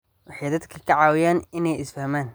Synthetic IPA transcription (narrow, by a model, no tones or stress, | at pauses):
wɑħiːd̪ɐd̪kʰɐkʰɐʕaːwɪjaːnɪnɛjɪsfɐhmaːn